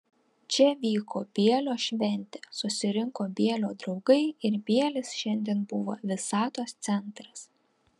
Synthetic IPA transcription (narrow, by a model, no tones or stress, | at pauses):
t͡ʃʲɛʋʲiːkoːbʲiɛlʲoːʃʲʋʲɛnʲt̪ʲɛsʊsʲɪɾʲɪŋkoːbʲiɛlʲoːd̪ɾɒʊɡɐɪɪɾbʲiɛlʲɪsʃʲɛnʲd̪ʲiɛnbʊʋo̰ːʋʲɪsɑːt̪oːst̪sʲɛnt̪ɾɐs